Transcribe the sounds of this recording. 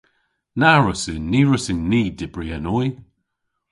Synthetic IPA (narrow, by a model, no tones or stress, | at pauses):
naɹʊsəniːɹʊsɪnniːdɪbɹianɔj